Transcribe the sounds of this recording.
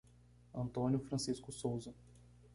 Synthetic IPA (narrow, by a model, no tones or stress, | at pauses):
ɐ̃nt̪õnjʊfɾɐ̃siskʊsowzɐ